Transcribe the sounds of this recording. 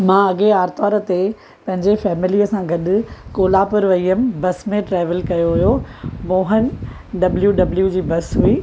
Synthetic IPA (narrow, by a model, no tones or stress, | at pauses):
mãːɐɠeaːɾt̪ɔːɾə̆t̪e | pɐ̃ɦɪ̃ɲd͡ʑefɛːmɪliːəsãɡɐɗʊ̆koːlapʊɾʋɐiːəmbɐsmẽʈɾaːʋəlkɐjoɦʊɦjomoːɦən | ɖɐbljuɖɐbljud͡ʑiːbɐsɦuiː